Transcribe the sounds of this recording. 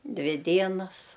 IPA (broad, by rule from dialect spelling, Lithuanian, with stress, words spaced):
ˈdʲʋʲɪ ˈdʲiɛnɐs